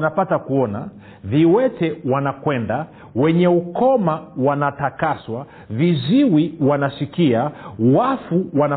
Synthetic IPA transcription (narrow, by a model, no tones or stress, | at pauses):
napatakuɔna | viwɛtɛwanakwɛnda | wɛɲɛukɔmawanatakaswa | viziwiwanasikiawafuwana